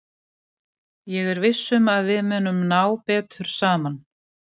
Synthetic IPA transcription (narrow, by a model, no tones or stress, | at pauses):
jɛɣɛɾvɪsːʏmaðvɪðmœːnʏmnaːwpɛːt̪ʏɾ̥saːman